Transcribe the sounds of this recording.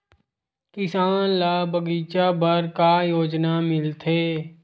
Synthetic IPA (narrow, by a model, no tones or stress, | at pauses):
kɪsaːnlaːbəɡiːt͡ʃabəɾkajoːd͡ʒnamɪlt̪ʰeː